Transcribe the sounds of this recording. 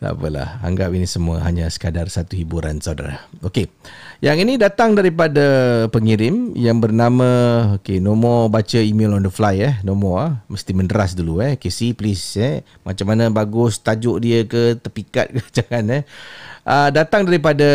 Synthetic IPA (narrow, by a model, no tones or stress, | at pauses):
t̪a̰pəla̰ha̰ŋɡapinisəmuə̰ɦaɲasə̥kadarsat̪uhibuɾa̰nsawda̰ɾa̰hokejaŋinidat̪aŋdaɾipadapəŋiɾɪmjaŋbərnamãokenomɔbat͡ʃəimelɔndəflajɛhnomɔaməst̪iməndəɾasduluɛhkesiplisɛ | ma̰t͡ʃamanãbaɡʊst̪ad͡ʒʊʔdiəkət̪ərpika̰t̪̚kəd͡ʒaŋanɛhʔədat̪aŋdaɾip̬ada